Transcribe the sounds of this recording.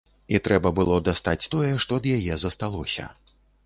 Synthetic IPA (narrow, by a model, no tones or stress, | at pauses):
it̪ɾɛbɐbɨlˠɔd̪ast̪at͡sʲt̪ɔjɛʂt̪ɔd̪jajɛzɐst̪alˠɔsʲɐ̰